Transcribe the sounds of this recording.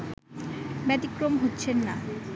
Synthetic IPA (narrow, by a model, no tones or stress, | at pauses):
bɛt̪ikɾomɦotːɕʰenːa